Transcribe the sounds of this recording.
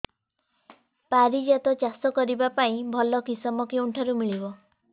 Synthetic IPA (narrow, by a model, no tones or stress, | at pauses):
paɾid͡ʒat̪ɔt͡ʃasɔkɔɾibapaĩbʱɔlɔkisɔmɔkiuɳʈʰaɾumiɭibɔ